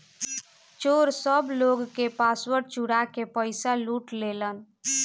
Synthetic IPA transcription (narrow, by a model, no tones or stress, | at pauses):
t͡ʃoɾsəbloɡkepaswəɾʈ̚t͡ʃuɽakepəɪsaluʈlelən